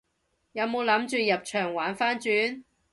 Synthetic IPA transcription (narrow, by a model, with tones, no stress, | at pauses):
jɐ˨˧wmo˨˧wlɐ˨˥mt͡ʃyː˧jɐ˨p̚t͡ʃʰœː˨˩ŋwaː˨˥nfaː˥nt͡ʃyː˨˥n